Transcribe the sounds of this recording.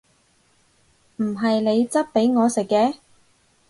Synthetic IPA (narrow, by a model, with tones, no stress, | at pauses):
m̩˨˩ɦɐ˨jne˨˧jt͡sɐ˥t̚pe˨˥jŋɔː˨˧sɪ˨kːɛː˨˥